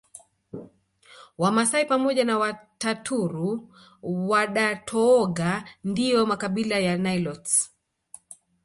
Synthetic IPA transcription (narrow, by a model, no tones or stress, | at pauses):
wamasaipamɔʄanawatatʰuɾu | waɗatʰɔːɡandijɔmakaɓilajanailɔts